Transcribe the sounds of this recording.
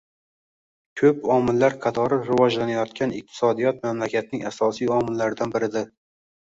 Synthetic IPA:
kʰɵpɒmɪlːaɾqʰɑt̪ʰɒɾɪɾɪvɒd͡ʒlanajɒt̪kʲʰanɪq̚t̪ʰɪ̥sɒd̪ijɒt̪̚mamlakʲat̪̚nɪŋasɒsijɒmɪlːaɾɪd̪anbɪɾɪd̪ɪ

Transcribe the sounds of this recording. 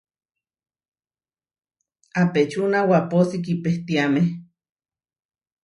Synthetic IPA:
apet͡ʃunawaposik̬ipeht̪iameh

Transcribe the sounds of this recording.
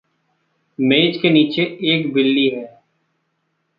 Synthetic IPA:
meːd͡ʒkeniːt͡ʃeeːkbɪlːiɦɛː

